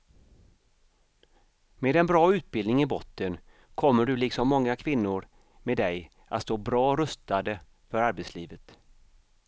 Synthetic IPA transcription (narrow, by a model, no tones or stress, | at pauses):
meːd̪ɛnbɾɑːʉ̟ːt̪̚bɪld̪nɪŋɪbɔt̪ːən | kʰɔmːəɖɵlɪksɔmːɔŋːakʰvɪnːʊɾ | meːd̪ɛj | ʔa̰t̪st̪oːbɾɑːɾœst̪ad̪ə | fœɾaɾbɛt̪sliːvət̪